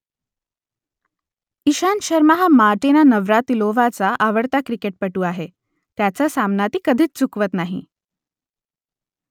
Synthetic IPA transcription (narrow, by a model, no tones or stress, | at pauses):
iɕanɕəɾmaɦamaɾʈenanəʋɾat̪iloʋat͡saʔaʋəɽt̪akɾikeʈ̚pəʈuːaɦe | t̪jat͡sasamnat̪iːkəd̪ʱiːt͡st͡sukʋət̪naɦḭ